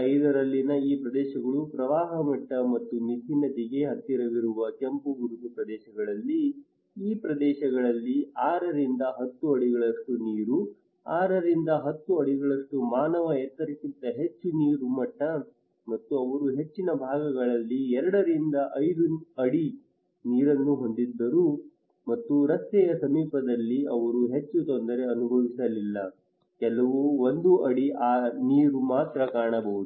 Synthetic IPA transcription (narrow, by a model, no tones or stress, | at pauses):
ɐjd̪ɐɾɐlːinɐiːpɾɐd̪ɛːʃɐɡɐɭupɾɐʋaːɦɐmɐʈːɐmɐt̪ːunit̪ʰinːɐt̪iɡe̞ɦɐt̪ːiɾɐʋiɾuʋɐkempuɡuɾut̪upɾɐd̪ɛːʃɐɡɐɭɐlːi | iːpɾɐd̪ɛːʃɐɡɐɭɐlːiaːɾɐɾind̪ɐɦɐt̪ːuɐɽiɡɐɭɐʂʈuniːɾu | a̰ːɾɐɾind̪ɐɦɐt̪ːuɐɽiɡɐɭɐʂʈumaːnɐʋɐɛt̪ːɐɾisint̪ɐɦe̞t͡ʃːuniːɾumɐʈːɐ | mɐt̪ːuɐʋɐɾuɦe̞t͡ʃːinɐbʱaːɡɐɡɐɭɐlːiɛɾɐɽɐɾind̪ɐʔɐjd̪uɐɽi | niːɾɐnːuɦo̞nd̪id̪ːɐɾu | mɐt̪ːuɾɐst̪ɛjɐsɐmiːpɐd̪ɐlːiɐʋɐɾuɦe̞t͡ʃːut̪ond̪ɐɾe̞ɐnubʱɐʋisɐlilːɐ | kɛlɐʋuo̞nd̪uʔɐɽiaːniːɾumaːt̪ɾɐkaːɳɐbɐʋud̪u